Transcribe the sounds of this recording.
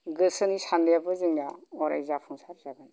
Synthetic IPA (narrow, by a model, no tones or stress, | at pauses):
ɡɯsɯnisandjabɯzɯŋjaɔɾa̰jzapʰuŋsaɾizaɡani